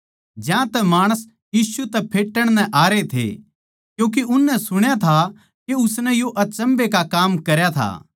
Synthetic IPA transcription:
d͡ʒjãt̪ɛmaːɽ̃əs | jiːsut̪ɛpʰeːʈːəɽ̃nɛ̃ʔaːɾet̪ʰḛ | kjũːk̬eʔʊnːɛ̃sʊɽ̃jat̪ʰa | keʊsnɛ̃joʔɐt͡ʃə̃mbekakaːmkɐɾjat̪ʰa̰

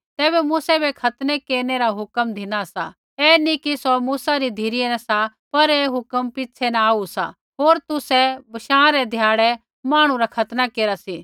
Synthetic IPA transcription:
t̪ɛːbɛmuːsɛbɛkʰɐt̪nɛkeːɾneɾaɦʊkəmd̪ʱɪnasa̰ | ɛːnikisɔmuːsaɾid̪ʱiɾɪɛnɛ̃sa | pɐɾeːɦʊkəmpɪt͡ʃʰɛnaaːusa̰ | ɦoːɾt̪ʊsɛbɐʃãːɾɛd̪ʱjaːɽɛ | maːɽ̃ũɾakʰɐt̪nakeːɾasi

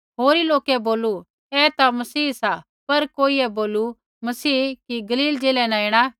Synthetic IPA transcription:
ɦoːɾiloːkɛboːlu | ɛt̪amɐsiːsa | pɐɾkoːiɛboːlu | mɐsiːkiɡɐliːld͡ʒeːlɛnãẽːɽ̃a

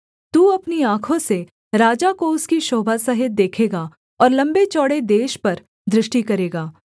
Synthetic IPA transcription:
t̪uːɐpniãːkʰõse | ɾaːd͡ʒakoʊskiʃɔːbʱasɐɦɪt̪̚d̪eːkʰeːɡa | ɔːɾlɐ̃mbet͡ʃɔːɽed̪eːʃpɐɾ | d̪ɾɪʃʈikɐɾeːɡaː

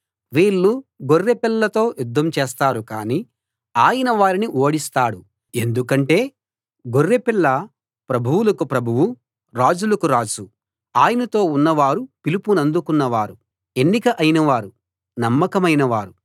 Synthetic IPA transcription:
ʋiːɭːuɡorːepilːɐt̪o̞ːjud̪ʱːɐmt͡ʃɛːst̪aːɾukaːni | aːjɐnɐʋaːɾiniʔoːɽist̪aːɽu | e̞nd̪ukɐɳʈe̞ː | ɡorːepilːɐ | pɾɐbʱuwulɐkupɾɐbʱuwu | ɾaːd͡ʒulɐkuɾaːt͡ʃu | aːjɐnɐt̪o̞ːunːɐʋaːɾupilipunɐnd̪ukunːɐʋaːɾu | e̞nːikɐʔɐjnɐʋaːɾu | nɐmːɐkɐmɐjnɐʋaːɾu

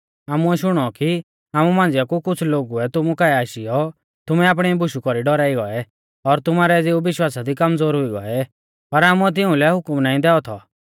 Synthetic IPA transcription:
aːmuɛʃʊɽ̃ɔki | aːmumãːnd͡zɪjakukʊt͡sʰloːɡuɛt̪ʊmukaːɛaːʃijɔ | t̪ʊmɛaːpɽ̃ɛbʊʃukɔɾiɖɔɾaːiɡɔɛ | ɔɾt̪ʊmaːɾɛd͡zeubɪʃwaːsad̪ikɐmd͡zoːɾɦʊiɡɔ̰ɛ | pɐɾaːmuɛt̪̬ɪũlɛɦʊkmnaːĩd̪ɛːɔt̪ʰɔ̰

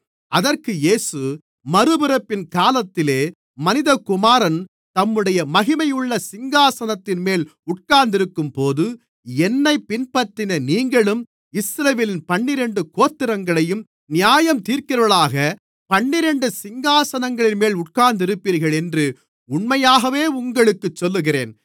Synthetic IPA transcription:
ɐðɐrkɯjeːsɯ | mɐɾɯbɯɾɐpːɪnkaːlɐt̪ːɪleː | mɐnɪðɐkʊmaːɾɐn | t̪ɐmːɯɽɐjɐmɐɣɪmɐjɯɭːɐsɪŋɡaːsɐnɐt̪ːɪnmeːlʊʈ̚kaːɾnd̪ɪɾɯkːɯmpoːðɯ | ɛnːɐɪpɪnpɐt̪ːɪnɐniːŋɡɐɭɯm | ɪsɾɐʋeːlɪnpɐɳːɪɾɛɳɖɯkoːt̪ːɪɾɐŋɡɐɭɐjɯm | nɪjaːjɐmt̪iːɾkɪɾɐʋɐɭaːɣɐ | pɐɳːɪɾɛɳɖɯsɪŋɡaːsɐnɐŋɡɐɭɪnmeːlʊʈ̚kaːɾnd̪ɪɾɯpːiːɾɣɐɭɛndrɯ | ʊɳmɐjaːɣɐʋeːʊŋɡɐɭɯkːɯt͡ʃːɔlːɯɣɪɾḛːn

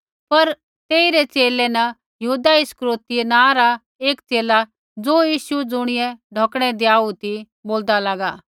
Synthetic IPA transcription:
pɐɾ | t̪eːiɾet͡ʃeːlɛnɐ | jɐɦuːd̪aɪskɾoːt̪ienãːɾa | eːkt͡seːla | d͡zoːjiːsud͡zʊɽ̃ɪjɛɖʱoːkɽ̃ɛd̪eaːut̪i | boːld̪alaːɡaː

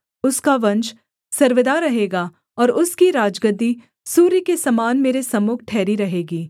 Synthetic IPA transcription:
ʊskaʋɐ̃nt͡ʃ | sɐɾʋəd̪aːɾɐɦeːɡaː | ɔːɾʊskiɾaːd͡ʒɡəd̪i | suːɾikesɐmaːnmeːɾesɐmʊk̚ʰʈʰɛːɾiɾɐɦeːɡiː

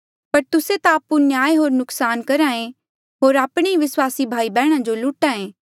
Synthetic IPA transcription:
pɐɾt̪ʊset̪aːpunjaːeɦoːɾnʊksaːnkɐɾãːẽ | ɦoːɾaːpɽ̃eiʋɪswaːsibʱaːibɛːɽ̃ãd͡ʒolʊːʈãːẽː

